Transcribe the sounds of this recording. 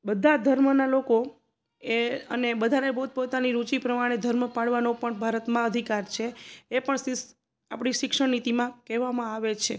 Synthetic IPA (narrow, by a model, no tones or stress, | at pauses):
bəd̪ʱad̪ʱəɾmənaloko | eənebəd̪ʱaɾebəɦut̪̚pot̪aniɾut͡ʃipɾəmaɽ̃ed̪ʱəɾməpaɽʋanopəɳbʱaɾət̪mãəd̪ʱikaɾt͡ʃʰeːpəɳss | apɽ̃iʃɪkʂəɽnit̪imãkɛʋamãaʋet͡ʃʰe